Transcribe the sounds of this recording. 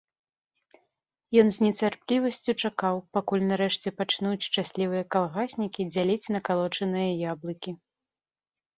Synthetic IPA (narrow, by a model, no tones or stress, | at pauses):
jɔnzʲnʲɛt͡sʲarplʲivɐsʲt͡sʲut͡ʂakawpakulʲnaɾɛʂt͡sʲɛpat͡ʂnut͡sʲʂt͡ʂasʲlʲivɨjɐkalˠɣasʲnʲikʲid͡zʲalʲit͡sʲnɐkalˠɔt͡ʂɐnɨjɐjablˠɨkʲi